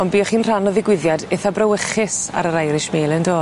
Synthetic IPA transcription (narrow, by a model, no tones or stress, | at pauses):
ɔnbiːɔχiːnr̥anɔðɪɡwɪðjadɛθabrəwəχɪsa̰ɾəɾajɾɪʃmeːlˠəndoː